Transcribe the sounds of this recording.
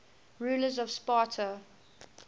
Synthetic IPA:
ɹuːləzɔv̥spɑːˑtʰə

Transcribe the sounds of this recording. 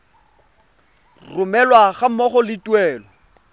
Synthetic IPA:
rʊmɛlwaɣamɔχɔlɪtʼwɛːlɔ

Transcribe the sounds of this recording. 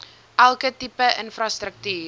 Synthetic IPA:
ʔælˠkətipəʔənfrɑstɾək̚tyː

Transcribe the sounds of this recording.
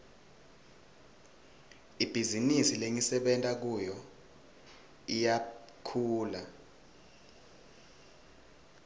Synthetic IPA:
ib̥ʱizinisileŋisɛɓɛntʼak̬ujɔ | ija | kʰuːla

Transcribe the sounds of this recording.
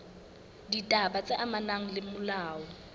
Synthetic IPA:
ditʼabat͡sʼɪʔamanaŋ̩lɪmʊlaːɔ

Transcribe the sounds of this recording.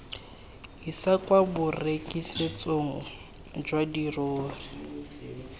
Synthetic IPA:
ɦisakʼwabʊrekʼiset͡sʼoŋ̩ | d͡ʒwadiroːri

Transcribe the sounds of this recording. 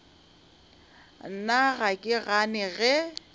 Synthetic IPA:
naɣakʼɪɣanɛɣɛ

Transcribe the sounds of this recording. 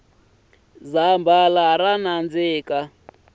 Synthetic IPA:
zambalaaɾanand͡zɪːka

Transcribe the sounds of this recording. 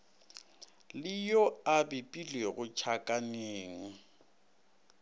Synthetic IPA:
lɪjɔabɪpʼileɣʊt͡ʃʰakʼaneːŋ̩

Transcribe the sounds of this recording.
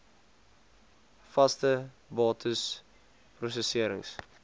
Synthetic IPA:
fɐstə | bɑːtəs | prus̬əsiəɾə̰ŋs

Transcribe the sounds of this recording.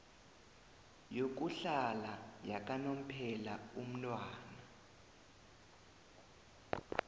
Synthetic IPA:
jok̬uɬalajak̬ʼanom̩pʰɛlaum̩nwaːna

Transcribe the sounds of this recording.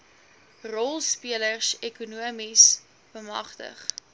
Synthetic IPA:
rɔlˠspiələrsɛkunuəmis | b̥əmɐ̰χtə̰χ

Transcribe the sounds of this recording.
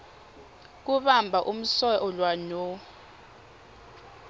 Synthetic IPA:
k̬uɓambʱaʔum̩sɔʔɔlwano

